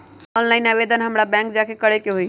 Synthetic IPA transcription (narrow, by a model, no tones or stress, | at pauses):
ɔnlaɪnabed̪ʱənɦəmɾabɛ̃ŋk̚d͡ʒakʰekəɽekeɦui